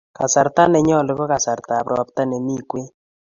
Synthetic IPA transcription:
ka̰˨sa˨ɾt̪a˦nɛ˨ɲɔ˦˨lɪ˨βɔ˦ka˨sa˨ɾta˨pɾɔ˨p̚t̪a˦ne˨mi˦kwe˦

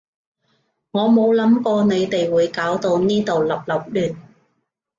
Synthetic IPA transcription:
ŋɔː˨˧mo˨˧wlɐ˨˥mkɔː˧ne˨˧jt̪e˨jwuː˨˧jkaː˨˥wt̪o˧wniː˥t̪o˨wlɐ˨p̚lɐ˨˩p̚lyː˨˩n

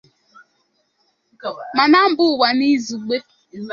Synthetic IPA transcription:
ma˨na˦m̩˨˦bʊ˦˨wa˨ni˦zu˨ɡ͡be˦

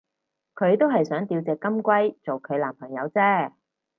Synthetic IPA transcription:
kʰɵ˨˧ɥt̪o˥wɦɐ˨jsœː˨˥ŋt̪iː˨˧wt͡sɛː˨kːɐ˥mkʷɐ˥jt͡so˨wkʰɵ˨˧ɥlaː˨˩mpʰɐ˨˩ŋjɐ˨˧wt͡sɛː˥

